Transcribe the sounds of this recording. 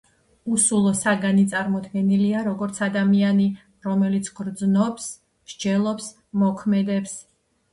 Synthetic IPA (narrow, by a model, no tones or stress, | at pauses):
usulˠɔsaɡanit̪sʼaɾmɔd̪ɡɛniliaɾɔɡɔɾt̪sʰad̪amiani | ɾɔmɛlit̪sʰɡɾd̪znɔps | mɾd͡ʒɛlˠɔps | mɔkʰmɛd̪ɛps